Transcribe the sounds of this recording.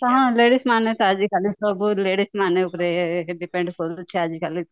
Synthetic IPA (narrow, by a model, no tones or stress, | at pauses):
t̪ɐɦãleːɽismaːnet̪aːd͡ʒikalit̪obuleːɽismaːneʊpɾeɖipẽɳɖkoɾut͡ʃʰiaːd͡ʒikalit̪